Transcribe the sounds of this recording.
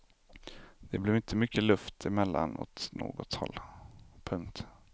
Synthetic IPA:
d̪̥ɛblɛvɪnt̪ʰəmʏkːəlɵft̪ʰɪmɛlːanɔ̰t̪no̰ːɡɔt̪hɔ̰lːpʰɵŋk̚t̪

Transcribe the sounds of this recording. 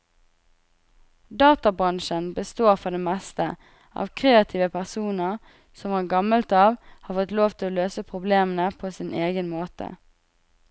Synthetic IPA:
d̪ɑːt̪ɑbʁɑnʃənbəst̪oːʁfɔʁd̪eːmɛst̪ə | ʔɑ̰ːʋkʰʁeːɑt̪ʰiːʋəpʰæʁsuːnəʁ | sɔmʋɑːʁɡɑməlt̪ɑːʋhɑːfɔt̪loːʋt̪ʰɪloːløːsəpʰʁʊbleːmənəpʰoːsɪnʔeːɡənmoːt̪ʰə̰

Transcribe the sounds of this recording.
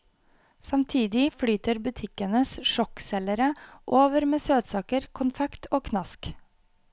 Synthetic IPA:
sɑmt̪ʰiːd̪ɪfɽyːt̪əɾbʉt̪ʰɪkənəsʃɔksɛləɾəʔoːʋəɾmeːsøːt̪sɑːkəɾkʰʊnfɛkt̪ʰoːkʰnɑsk

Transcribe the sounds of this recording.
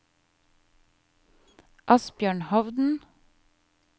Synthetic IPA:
ʔɑsbjøːɳhɑʋd̪n̩

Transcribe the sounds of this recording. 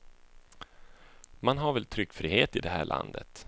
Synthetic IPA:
manɦaɾvɛlt̪ʰɾʏkːfɾiːheːt̪ɪd̪ɛɦæːɭʔa̰nd̪ə̰t̪

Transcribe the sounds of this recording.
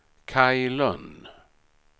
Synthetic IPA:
kʰajlœn

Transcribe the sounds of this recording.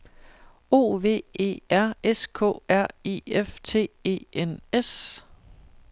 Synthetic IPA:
o̝̰ːʋe̝̰ːe̝̰ːæɐ̰eskʰɔ̰̽ːæɐ̰ḭːeft͡sʰe̝̰ːe̝̰ːenes

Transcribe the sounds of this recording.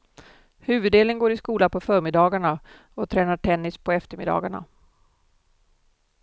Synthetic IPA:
hʉ̟ːvɵd̪eːləŋɡoːɾɪskuːlapʰɔfœːɾmɪd̪ɑːɡaɳa | ɔt̪ʰɾɛːnaʈʰɛnːɪspʰɔɛft̪əɾmɪd̪ɑ̰ːɡaɳa̰

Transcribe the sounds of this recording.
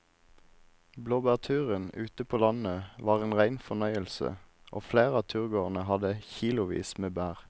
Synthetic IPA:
bloːbæːʁt̪ʰʉːʁənʉːt̪əpʰoːlɑnəʋɑːʁeːnʁæɪnfɔnœʏəlsə̰ | ʔo̰ːfleːʁəɑːt̪ʰʉːʁɡoːʁn̩əhɑd̪əçiːlʊʋḭːsmeːbæːʁ

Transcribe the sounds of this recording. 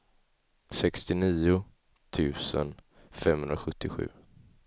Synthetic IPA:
sɛkst̪ɪniːʊ | t̪ʰʉ̟ːsə̰n | fɛmhɵnd̪ɾaɧɵt̪ʰːɪɧʉ̟ː

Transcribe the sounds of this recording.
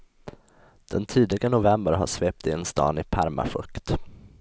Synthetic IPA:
d̪̥ɛnt̪ʰiːd̪ɪɡanʊvɛmbəɾɦa̰ʂveːp̚t̪ɪnst̪ɑ̰ːnɪpʰaɾma̰fɵkt̪

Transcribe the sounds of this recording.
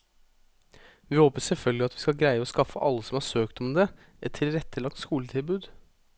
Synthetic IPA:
ʋɪːhoːpəsɛlfœlɡlɪɑt̪ʋɪskɑɡɾæɪəɔːskɑfəʔɑlːəsɔmhɑːsøːkt̪ɔmd̪ɛ | ʔɛt̪ʰːɪlɾɛt̪ːəlɑkt̪skuːlət̪ʰɪlbʉːd̪

